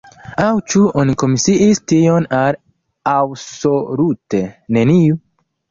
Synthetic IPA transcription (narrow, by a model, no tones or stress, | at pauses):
awt͡ʃuoniko̞misiʔistio̞nal | awso̞lutene̞niu